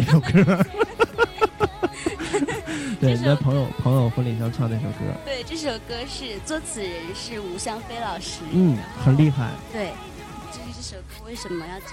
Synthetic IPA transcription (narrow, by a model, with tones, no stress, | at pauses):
ʂo˨˩ʊkɤ˥ə˧ | t̪we˥˩ɪni˧˩a˥˩pʰɤ˧˥ŋjo˨˩ʊpʰɤ˧˥ŋjo˨˩ʊxwə˧˥nli˨˩ɕjɑ˥˧ŋʈ͡ʂʰwɑ˥˧ŋna˥˩ʂo˨˩ʊkɤ̰˥lə̰˧˩t̪we˥˧ɪʈ͡ʂɤ˥˩ʂo˨˩ʊkɤ˥ʂɻ̩˥˩t͡swɔ˥t͡sʰɹ̩˨˩ɻə˧˥nʂɻ̩˥˩u˧˥ɕjɑ˥ŋfe˥ɪlɑ˨˩ʊʂɻ̩˥n̩˥˩xə˨˩nli˥˧xa̰˥˩ɪt̪we˥˩ɪ | t͡ɕjo˥˧ʂɻ̩˧ʈ͡ʂɤ˥˩ʂo˨˩ʊkwe˥˩ɪʂə˧˥mə˧jɑ˥˩ʊ